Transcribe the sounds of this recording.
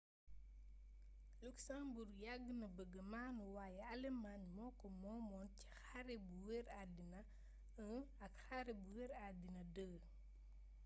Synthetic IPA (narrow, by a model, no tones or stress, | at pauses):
luksamburɡjaɡːnɐbəɡəmaːnuwaːjɛɐlɛmaɲmɔːkɔmɔːmɔːnci̥xaɾɛbuweɾadinɐ | ə | ɐkxaɾɛbuwɛɾadinɐdəɡ